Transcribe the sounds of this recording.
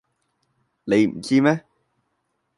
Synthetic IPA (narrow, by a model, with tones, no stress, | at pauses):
ne˨˧jm̩˨˩t͡siː˥mɛː˥